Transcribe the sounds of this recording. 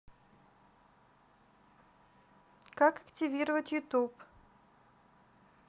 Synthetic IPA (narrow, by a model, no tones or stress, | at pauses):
kakɐ̥ktʲɪvʲiɾəvətʲjʊt̪up